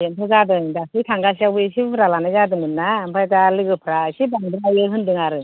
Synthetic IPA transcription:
entʰɔzadɯdasʰɯjtʰaŋɡas̬iawbɯsiɾalanajzadɯmɯnːampʰajtalɯɡɯpʰɾasibaŋdɯɾajɯɦɯndɯŋaɾɯ

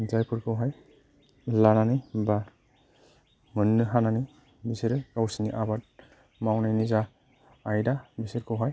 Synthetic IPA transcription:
zajpʰɯɾkɯwɦaj | lananiba | mɯnːɯɦanani | bisiɾɛkawsiniʔabat̚ | mawnajnizaː | jdabisitkɔwɦaj

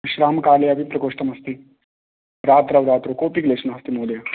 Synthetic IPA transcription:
ɕɾaːmkaːlɐjɐʋipɾɐkoːʂʈɐmɦɐst̪i | ɾaːt̪ɾɐʋɾaːt̪ɾokoːpikleːʂnaɦɐst̪imoːljɐ

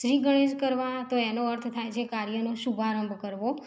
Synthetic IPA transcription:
ʃɾiɡəɽ̃ed͡ʒkəɾʋãt̪oenoəɾt̪ʰt̪ʰajt͡ʃʰekaɾijənoʃubʱaɾəmbʱkəɾʋo

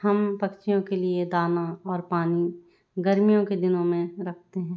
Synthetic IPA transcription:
hɐmpɐkt͡ʃijõkelied̪aːnaɔːɾpaːni | ɡɐɾmijõked̪ɪnõmẽɾɐkʰt̪eɦɛ̃ː

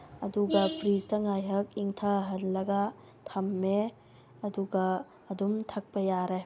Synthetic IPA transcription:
ɐduɡɐpʰɾistɐŋajɦɐk̚iŋtʰaɦɐnlɐɡa | tʰɐmːe | ɐduɡɐː | dumtʰɐk̚pɐjaɾe

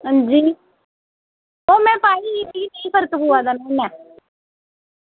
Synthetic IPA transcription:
ɦə̃d͡ʒiː | oːmɛ̃ːpaːiːiːpʰiːnəĩːpʰəɾəkpuːaːd̪aːnɛ̃ːnɛ̃ː

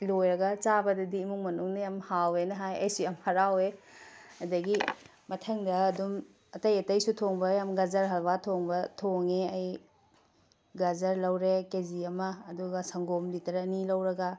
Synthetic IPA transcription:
lojɾɐɡɐt͡ʃabɐdɐdiːmuŋmɐnuŋnɐjamhawenɐɦajɐ̰jsuɐmhɐɾawe | ɐdɐɡi | mɐtʰɐŋdɐːdum | ɐtɐjɐtɐjsutʰoŋbɐjamɡɐzɐɾɦɐlbatʰoŋbɐtʰoŋeɐj | ɡɐzɐɾlɐwɾekeziɐmɐːduɡɐsɐŋɡomlitɐɾɐnilɐwɾɐɡɐ

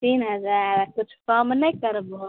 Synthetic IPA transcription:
t̪iːnɦəd͡ʒaɾkʊt͡ʃʰkəmnəjkəɾbɦo

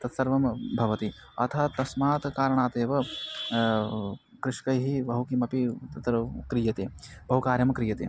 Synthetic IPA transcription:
t̪ɐt̪sɐɾʋɐmbʱɐʋɐt̪i | ɐ̰t̪ʰɐt̪ɐsmaːt̪kaːɾɐɳ̃aːt̪eːʋɐ | kɾɪʂkɐjɦiʋɐɦukimɐpit̪ɐt̪ɾkɾijɐt̪eːbɐɦukaːɾjɐmɐkɾijɐt̪ḛ

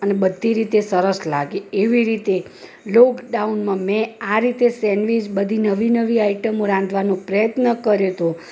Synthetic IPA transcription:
ənebəd̪ʱːiɾit̪esəɾəslaɡeːʋiɾit̪e | lokɖaunmãmẽaɾit̪esɛnʋid͡ʒbəd̪ʱinəʋinəʋiaiʈəmoɾãnd̪ʱʋanõpɾəjət̪nəkəɾjot̪ʰo

